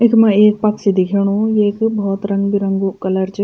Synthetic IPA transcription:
ɪkmɐ̃eːk̚pɐksid̪ikʰeɽ̃ũːjekbɔːt̪ɾɐ̃ŋɡbʱiɾɐ̃ŋɡukɐləɾt͡ʃ

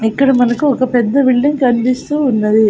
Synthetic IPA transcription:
ikːɐɽɐmɐnɐkuɔkɐpɛd̪ːɐʋiɭːiŋkɐnb̪ist̪uːnːɐd̪i

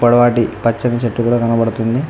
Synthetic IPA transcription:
pɐɽɐʋaːʈipɐt͡ʃːɐnɐt͡ʃɐʈːukuːɽaːkɐnɐbɐɽut̪und̪i

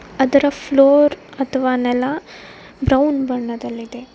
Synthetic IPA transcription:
ɐd̪ɐɾɐpʰloːɾɐt̪ʰɐʋaːnɛlːɐ | bɾɐwnbɐɳːɐd̪ɐlːid̪e̞

